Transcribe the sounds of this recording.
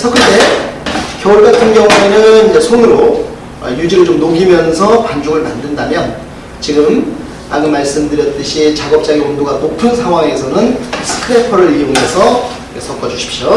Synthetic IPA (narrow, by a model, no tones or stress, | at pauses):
sʰʌkʰɯte | kjʌuɭɡatʰɯnɡjʌŋue̞nɯnd͡ʑesʰonɯɾo | ʌ̰jud͡ʑiɾɯɭt͡ɕomnoɡimjʌnsʰʌpand͡ʑoɡɯɭmandɯndamjʌn | t͡ɕiɡɯm | aɡɯmaɭs͈ɯmdɯɾjʌt̚t͈ɯɕʰit͡ɕaɡʌp̚t͡ɕ͈aɡiondoɡanopʰɯnsʰaŋwaŋe̞sʰʌnɯnsʰɯ̥kʰɯɾepʰʌɾɯɾijoŋe̞sʰʌ | esʰʌk͈ʰʌd͡ʑuɕʰi̥p̚ɕ͈jo